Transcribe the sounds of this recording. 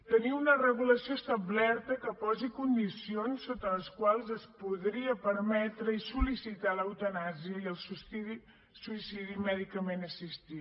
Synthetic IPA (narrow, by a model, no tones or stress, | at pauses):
t̪əniunərəɣ̞uləsiost̪ablɛɾt̪əkəpɔzikund̪isionsːot̪ələskwalˠzəspuðɾiəpəɾmɛt̪ɾəisulisit̪aləwt̪ənaziəiəlˠsusi | suisiðimɛðikəmenəsist̪i